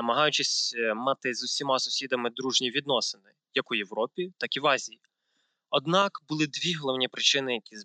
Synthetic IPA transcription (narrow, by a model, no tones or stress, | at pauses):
ɐmɐɦɑjʊt͡ʃɪsʲmɑt̪ɪzʊwsʲimɑsʊ̥sʲid̪ɐmɪd̪ɾuʒnʲiʋʲid̪nɔsɪnɪ | jɐkʊjeʋɾɔpʲit̪ɑkiʋɑzʲiji | ɔd̪nɑkbʊlˠɪd̪ʋʲiɦɔlˠɔwnʲipɾɪt͡ʃɪnɪjɐkʲiz